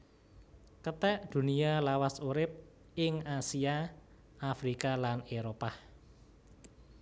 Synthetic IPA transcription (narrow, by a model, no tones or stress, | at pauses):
kət̪ɛʔd̪̥ṳnialawasuɾɪp̚ | ɪŋasia | afɾikalaneɾopa